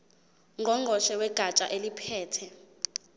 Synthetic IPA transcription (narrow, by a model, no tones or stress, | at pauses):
ŋʱɔŋʱɔʃɛwɛɡ̥ʱat͡ʃʼaʔelipʰɛːtʰɛ